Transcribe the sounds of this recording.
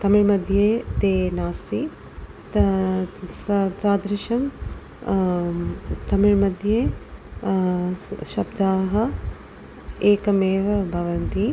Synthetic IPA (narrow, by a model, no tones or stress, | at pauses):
t̪ɐmiɻmɐd̪ʱjeːt̪eːnaːsi | t͡saːd̪ɾɪʃɐm | t̪ɐmiɻmɐd̪ʱjeː | ʃɐbd̪aːɦɐ | eːkɐmeːʋɐbʱɐʋɐnt̪i